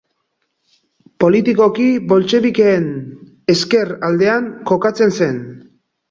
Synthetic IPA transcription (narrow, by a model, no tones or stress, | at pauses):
po̞lit̪iko̞kiβo̞lt͡ʃe̞βikeːn | eske̞rald̪e̞aŋko̞kat͡se̞nse̞n